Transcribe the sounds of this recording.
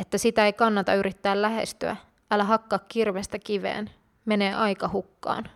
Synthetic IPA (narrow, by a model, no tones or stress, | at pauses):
et̪ːæsit̪æejkɑnːɑt̪ɑyɾit̪ːæːllːæɦe̞̰st̪y̰æ̰ | ʔælæɦɑkːɑːkkirʋest̪ækiʋḛːn | me̞ne̞ːʔɑjkɑhukːɑ̰ːn